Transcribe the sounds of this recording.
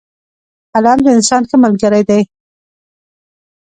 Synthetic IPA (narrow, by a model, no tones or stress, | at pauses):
alɑnd̪əɪnsɑnxəmalɡəɾajd̪aj